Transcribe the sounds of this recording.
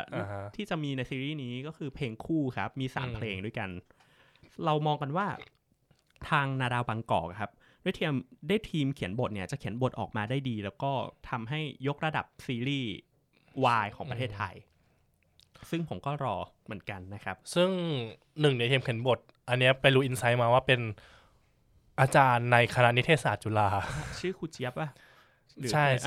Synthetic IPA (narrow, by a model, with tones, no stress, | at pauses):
t̪ʰiː˥˩t͡ɕa˨˩ʔmiː˧na˧jsiː˧ɾiː˥˩niː˦˥kɔː˥˩kʰɯː˧pʰleː˧ŋkʰuː˥˩kʰa˦˥p̚miː˧sa̰ː˩˦mpʰleː˧ŋdu˥˩jka˧n | ɾa˧wmɔː˧ŋka˧nwaː˥˩ | t̪ʰaː˧ŋnaː˧daː˧wbaː˧ŋkɔ̰ː˨˩k̚kʰa˦˥p̚ | d̥u˥˩jt̪ʰi˧əmda˥˩jt̪ʰiː˧mkʰi˩˦ənbo˨˩t̪̚ni˥˩ɐ˩t͡ɕa˨˩kʰi˩˦nbo˨˩t̪̚ʔɔ̰ː˨˩k̚maː˧daː˥˩jdiː˧lɛː˦˥wkɔː˥˩t̪ʰa˧mɦa˥˩jːo˦˥k̚ɾa˧da̰˨˩p̚siː˧ɾiː˥˩ | waː˧jkʰɔː˩˦pɾa˧t̪ʰeː˥˩t̪ʰːa̰˧j | sɯ˥˩ŋpʰo˩˦mkɔː˥˩ɾɔː˧ | mɯ˩˦ənka˧nːa˦˥kʰa˦˥p̚sɯ˥˩ŋ | nɯ˨˩ŋni˥˩t̪ʰi˧mkʰi˩˦nbo˨˩t̪̚ | ʔa˧nːi˦˥ɐpa˧jɾuː˦˥ʔi˧nsa˦˥jmaː˧waː˥˩pe˧n | ʔaː˧t͡ɕaː˧nːa˧jkʰa˧na˦˥ʔni˦˥t̪ʰeː˥˩saː˨˩t̪̚t͡ɕu˧˩laː˧˥t͡ɕʰɯː˥˩kʰuː˧˩t͡ɕʰi˦˥əp̚ʔa˧˩ | ɯː˦t͡ɕʰa˥˩j